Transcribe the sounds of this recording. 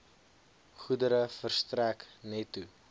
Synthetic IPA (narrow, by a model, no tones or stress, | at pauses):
χudəɾəfərstræknɛtːu